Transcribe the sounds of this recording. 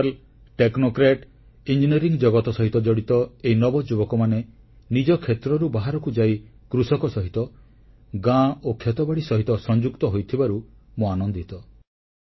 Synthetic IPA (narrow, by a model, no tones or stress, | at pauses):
l | ʈeknokɾeʈ | ind͡ʒiniɾiŋd͡ʒɔɡɔt̪ɔsɔɦit̪ɔd͡ʒɔɽit̪ɔeinɔbɔd͡ʒubɔkɔmane | nid͡ʒɔkʰet̪ɾɔɾubaɦaɾɔkud͡ʒaikɾusɔkɔsɔɦit̪ɔ | ɡãokʰːet̪ɔbaɽisɔɦit̪ɔsɔnd͡ʒukt̪ɔɦojt̪ʰibaɾu | moanɔnd̪it̪ɔ